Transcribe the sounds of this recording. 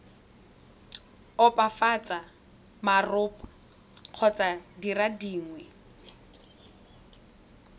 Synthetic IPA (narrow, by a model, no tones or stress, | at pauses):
ɔpʼafat͡sʼa | marʊːpʼḁ | q͡χʰɔt͡sʼadiradiːŋwɛ